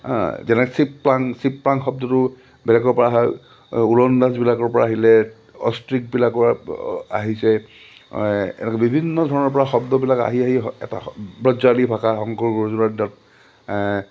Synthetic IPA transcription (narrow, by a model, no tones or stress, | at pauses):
zɛnɛksipːlaŋsipːlaŋxɔb̚dɔtʊ | bɛlɛkɔɹpɔɹaɦɔj | ulɔndazbilakɔɹpɔɹa̰ːɦilɛ | ɔ̰stɹik̚bilakɔɹa̰ɦisɛ | ɛ̰nɛkɛbibʱinːɔdʱɔɹɔnɔɹpɔɹaxɔbdɔbilaka̰ɦiaɦiɛ̰ta̰bɹɔd͡ʒalibʱakaxɔŋkɔɹɡɔzunaɹdat̚